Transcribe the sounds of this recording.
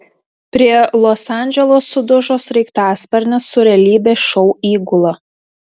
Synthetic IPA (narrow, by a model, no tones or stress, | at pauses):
pʲɾʲiɛlˠɔsɑˑnʲd͡ʒʲɛlˠosːʊd̪ʊʒoːsɾʲɛɪkt̪ɑːspʲɐɾʲnʲɛsːʊɾʲɛlʲiːbʲeːʃɔʊiːɡʊlˠɐ